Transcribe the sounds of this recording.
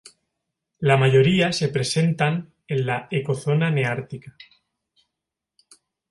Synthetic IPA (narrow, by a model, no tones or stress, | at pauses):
lamaʝo̞ɾiase̞pɾe̞se̞nt̪an | e̞nlaeko̞θo̞naneaɾt̪ika